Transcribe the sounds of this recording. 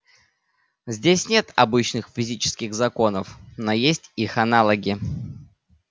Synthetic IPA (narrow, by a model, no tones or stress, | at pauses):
zʲdʲesʲnʲe̞t̪ɐ̰bɨt͡ɕnɨxfʲɪzʲit͡ɕɪ̥skʲɪɣzɐko̞nəfnojesʲtʲixɐnalˠəɡʲɪ